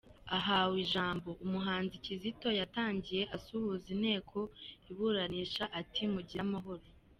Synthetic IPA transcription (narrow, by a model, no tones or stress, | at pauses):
aɦawiʒaːmbo̞ʔumuɦaːnzicizito̞jataːɲɟije̞ʔasuhuzin̥he̞ːkʰo̞iβuːɾaniːʃaʔatʰimuɟiɾamaɦo̞ɾo